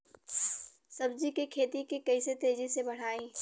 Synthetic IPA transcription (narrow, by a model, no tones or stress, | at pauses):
sɐbd͡ʒikikʰeːt̪ikikɐɪset̪eːd͡ʒisebɐɽ̤aːẽː